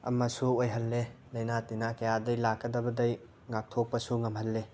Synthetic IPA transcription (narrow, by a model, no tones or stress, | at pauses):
ɐ̰mɐsuojɦɐlːe | lɐjnatinakɐjadɐjlakːɐdɐbɐdɐj | ŋak̚tʰok̚pɐsuŋɐmhɐlːe